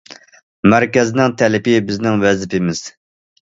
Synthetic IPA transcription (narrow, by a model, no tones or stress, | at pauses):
mæɾkʲɛznɪŋt̪ʰɛlɪpɪbɪznɪŋwɛzpɪmɪz̥